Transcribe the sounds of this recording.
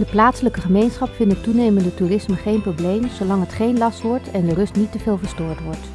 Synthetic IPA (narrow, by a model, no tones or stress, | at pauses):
dəplaːtsələkəχəmejnsχɑpfɪntətːunejməndətuːrɪsməχejnprowblejmzolɑŋɦətχejnlɑstʋɔɹtʰɛndərɵstnitəvɪːlˠvəɹstʊːɹtʋɔɹt